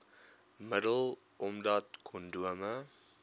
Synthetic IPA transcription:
mədəl | ɔmdatkʰɔnduəmə

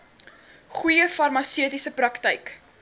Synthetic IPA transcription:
χujəfɐrmɐsiətisəprɐktəjk

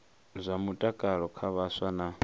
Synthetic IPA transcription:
zʷamutʼakʼaɺɔkʰaβaswana

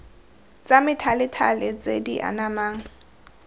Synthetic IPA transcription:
t͡sʼamɪtʰalɪtʰalɪt͡sḛdiʔa̰namaːŋ̩

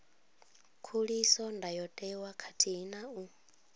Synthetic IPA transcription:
kʰuɺisɔndajɔtʼɛwakʰatʰiinau

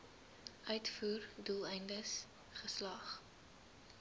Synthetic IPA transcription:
ʔœɥtfuːrdulˠɛjndəs | χəslɐχ

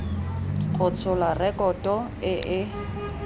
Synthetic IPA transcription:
ɣʊt͡sʰʊlarɛkʼɔtʼɔ | ɪʔɪ

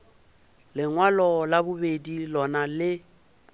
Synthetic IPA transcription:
lɪŋwalɔlabʊbedilɔnalɪ

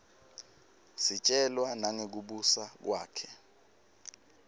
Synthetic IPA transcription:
sit͡ʃʼɛlwanaŋek̬uɓusak̬waːkʰɛ

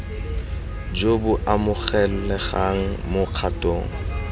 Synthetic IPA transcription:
d͡ʒobʊʔamʊk͡xɛlʊlɛχaŋ̩mʊq͡χʰatʼo̰ːŋ̩

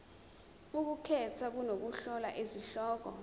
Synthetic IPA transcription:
uk̬ukʰɛtʰak̬unok̬uɬɔlaʔeziɬɔːk̬ɔ̰

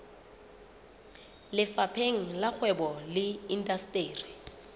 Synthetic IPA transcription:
lɪfapʰeŋ̩lak͡xʰwɛbɔlɪindastʼeːri

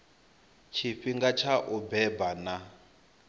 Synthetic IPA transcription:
t͡ʃʰiɸiŋɡat͡ʃʰaʔubɛbana

